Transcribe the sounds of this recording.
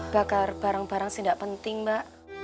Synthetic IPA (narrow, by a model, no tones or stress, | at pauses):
b̥akarb̥aɾaŋbaɾaŋsidaʔpənt̪ɪŋbaʔ